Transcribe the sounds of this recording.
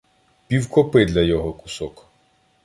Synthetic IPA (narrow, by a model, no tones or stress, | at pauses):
pʲiwkɔpɪd̪lʲɐjɔɦɔkʊ̥sɔk